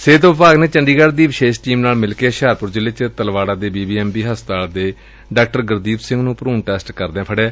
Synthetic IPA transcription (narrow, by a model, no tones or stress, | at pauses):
seːt̪õːpaːɡnẽːt͡ʃəɳɖiːɡaɖd̪iːʋɪʃeːʃʈiːmnaːlmɪlkeːʃaːɾpʊɾd͡ʒɪleːt͡ʃət̪əlʋaːɽaːd̪eːbiːbiːɛːmbiːɦəst̪aːld̪eː | ɖaːk̚ʈəɾɡəɾd̪iːbsɪ̃ŋɡnũːpəɾuːnʈɛːsʈkəɾd̪ẽːpʰəɽẽː